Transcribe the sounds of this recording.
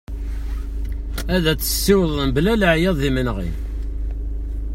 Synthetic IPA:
æðæt͡sːə̥sːiwəðˤnblæləʕjɑðˤðimənʁḭn

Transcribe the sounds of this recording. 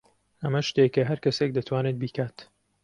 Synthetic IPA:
ɐmɐʃt̪ekɐɦɐɾkɐsek̚d̪ɐt̪ʰwaːnet̪̚biːkʰaːt̪

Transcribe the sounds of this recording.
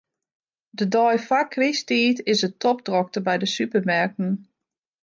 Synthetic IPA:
dədɔjfakʰːristiːtɪsətʰɔpdrɔk̚təbɛjdəsypəmɛrk̚n̩

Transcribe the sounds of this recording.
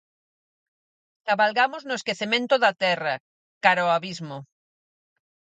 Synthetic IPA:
kaβalɣamoznoeskeθemẽnt̪oðat̪ɛra | kaɾaoaβizmo

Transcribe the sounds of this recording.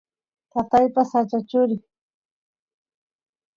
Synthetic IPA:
t̪at̪ajpasat͡ʃat͡ʃʊɾɪ

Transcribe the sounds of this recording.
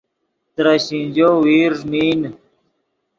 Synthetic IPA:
t̪ɾaɕĩnd͡ʑoːwiːɾzmiːn

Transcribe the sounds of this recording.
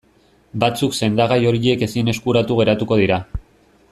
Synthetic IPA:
bat͡sukse̞nd̪aɣajo̞ɾie̞ke̞sine̞skuɾat̪uɣe̞ɾat̪uko̞ðiɾa

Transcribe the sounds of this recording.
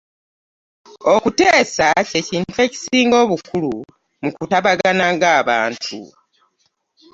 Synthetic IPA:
okute̞ːsace̞ciːntwe̞ci̥siːŋɡo̞ːβukulu | mukutaβaɡanaŋɡaːβa̰ːntʰṵ

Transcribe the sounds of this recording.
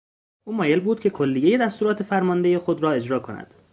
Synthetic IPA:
ʔuːmɒːjelbuːd̪̚cʰe̞kʰo̞lːijeje̞d̪æst̪uːɾɒːt̪ʰefæɾmɒnd̪e̞jexo̞d̪ɾɒːe̞d͡ʒɾɒːkʰonæ̰d̪̥

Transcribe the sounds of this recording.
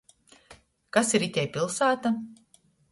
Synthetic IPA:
kasiɾit̪ʲɛjpʲilˠsaːt̪a

